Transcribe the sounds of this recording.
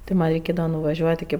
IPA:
tʲɪ ˈmɐnʲ rʲɛɪˈkʲeːdɐʋɐ nʊʋɐˈʒʲuɔtʲ ɪkʲɪ

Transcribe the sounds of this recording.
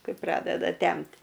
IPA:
ˈkɐɪ ˈprɑːdʲɛdɐ ˈtʲɛmʲtʲ

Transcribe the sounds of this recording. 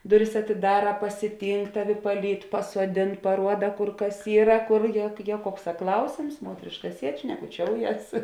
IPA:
ˈdʊˌrʲɪs ɐtʲɪˈdɑːrɐ pɐsʲɪˈtʲiːŋk ˈtɑːˌʋʲɪ pɐˈlʲiːt pɐsuɔˈdʲeːn pɐˈruɔdɐ ˈkʊr ˈkɐs ˈiːrɐ ˈkoːr ˈjɛ ˈjiɛ ˈkuɔkˌsɑː ˈklˠɐʊsʲeːms ˈmuɔtʲrʲeːʃkɐ ˈsʲiɛt ʃʲnʲɛkʊˈt͡ʃʲoːʊˌjɛs

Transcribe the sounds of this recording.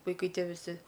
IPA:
ʋɐɪˈkɐɪ ˈtʲiɛ ʋʲɪˈsʲɪ

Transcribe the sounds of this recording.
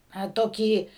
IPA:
ɐ ˈtoːkʲiː

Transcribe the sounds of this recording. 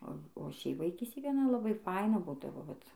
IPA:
oː oː ˈʃʲɛɪp ʋɐɪˈkʲiːsʲtʲeːj ɡɐˈnɐ lˠɐˈbɐɪ ˈfɐɪnɐ ˈbuːdɐʋoː ʋɐt

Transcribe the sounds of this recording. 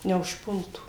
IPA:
nʲɛʊʃˈpʊlˠtuː

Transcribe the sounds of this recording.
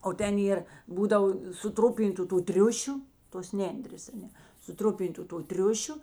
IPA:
oː ˈtʲɛn ˈeːr ˈbuːdɐʋoː sʊˈtrʊpʲɪntʊ tuː ˈtʲrʲʊʃʲʊ toːs ˈnʲɛnʲdʲrʲeːs ɐˈnʲɛ sʊˈtrʊpʲɪntʊ toː ˈtʲrʲʊʃʲʊ

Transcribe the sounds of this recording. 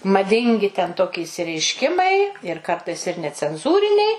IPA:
mɐˈdʲɪŋʲɡʲɪ tʲɛn ˈtoːkʲɪ ɪʃʲsʲɪrʲɛɪʃʲˈkʲɪmɐɪ ɪr ˈkɐrtɐɪs ɪr nʲɛt͡sʲɛnˈzuːrʲɪnʲɛɪ

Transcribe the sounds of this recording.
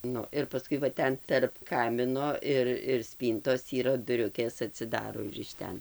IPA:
ˈnʊ ɪr pɐˈskʊɪ ʋɐ ˈtʲɛn tʲɛrp ˈkɑːmʲɪnoː ɪr ɪr ˈsʲpʲiːntoːs iːˈrɐ dʊˈrʲʊkʲeːs ɐtʲsʲɪˈdɑːroː ɪr ɪʃ ˈtʲɛn

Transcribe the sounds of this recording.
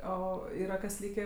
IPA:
ˈoː ˈiːrɐ kɐs ˈlʲiːkʲeː

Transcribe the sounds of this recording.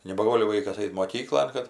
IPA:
nʲɛbɐˈɡoːlʲɪ ˈʋɐɪkɐs ˈɐɪt moːˈkʲiːklˠoːn kɐt

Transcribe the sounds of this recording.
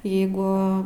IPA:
ˈjɛɪɡʊ

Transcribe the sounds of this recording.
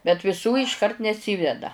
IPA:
bʲɛt ʋʲɪˈsuː ɪʃˈkɐrt nʲɛˈsʲiːʋʲɛdɐ

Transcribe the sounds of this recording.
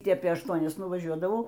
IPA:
ˈtʲiː ˈɑːpʲeː ɐʃˈtuɔnʲɛs nʊʋɐˈʒʲuɔdɐʋɐʊ

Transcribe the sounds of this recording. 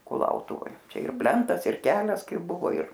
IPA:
kʊˈlˠɐʊtʊʋoːj ˈt͡ʃʲɛ ɪr ˈpʲlʲɛntɐs ɪr ˈkʲæːlʲɛs ˈkɐɪp ˈbʊʋoː ɪr

